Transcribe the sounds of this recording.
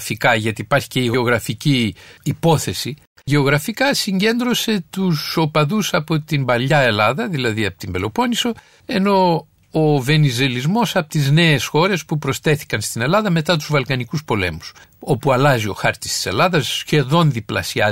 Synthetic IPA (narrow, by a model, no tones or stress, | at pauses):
fikɐʝɐt̪iːpɐɾçi̥ceiɣo̞ɣɾɐficiːpo̞θe̞si | ʝe̞o̞ɣɾɐfikɐsiɲɟe̞nd̪ɾo̞se̞t̪uso̞pɐðusɐpo̞t̪imbɐlɐe̞lɐðɐðilɐðiɐpot̪imbe̞lo̞po̞niso̞ | e̞no̞ | ove̞nize̞lizmo̞sɐpo̥t̪izne̞ːsxo̞ɾe̞spupɾo̞st̪e̞θi̥kɐnst̪ine̞lɐðɐme̞t̪ɐt̪̬uzvɐlkɐnikuspo̞le̞̰mus | o̞puɐlɐzio̞xɐɾt̪i̥st̪i̥se̞̰lɐðɐsçe̞ðo̞nðiplɐ̰siɐ